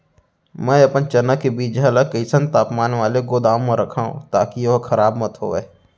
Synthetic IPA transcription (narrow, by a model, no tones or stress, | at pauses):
mɛ̃ːɐpənt͡ʃɐnəkːebiːd͡ʒɐləkəɪsə̃nt̪aːpmaːnʋaːleɡoːd̪aːmmãɾɐkʰaːṵ̃t̪aːkijoɦkʰɐɾaːbmɐt̪ɦo̰ːʋeː